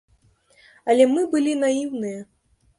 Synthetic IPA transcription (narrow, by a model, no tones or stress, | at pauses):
ɐlʲɛmɨbɨlʲinajiwnɨjɐ